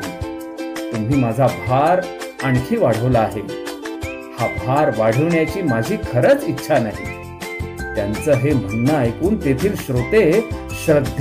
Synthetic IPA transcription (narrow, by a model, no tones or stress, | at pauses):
t̪um̤iːmad͡zʱabʱaɾaɳkʰiːʋaɽ̤əʋlaːɦe | habʱaɾʋaɽ̤əʋɳjat͡ɕiːmad͡ʑʱiːkʰəɾət͡sitːɕʰanaɦi | t̪jant͡səːɦem̤əɳnajkuːnt̪et̪ʰiːlɕɾot̪eɕɾəd̪ʱ